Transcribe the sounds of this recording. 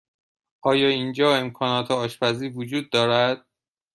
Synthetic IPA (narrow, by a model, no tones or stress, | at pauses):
ʔɒːjɒːind͡ʒɒːe̞mkʰɒːnɒːt̪ʰeɒːʃpæziːvod͡ʒuːd̪̚ːɒːɾæd̪̥̚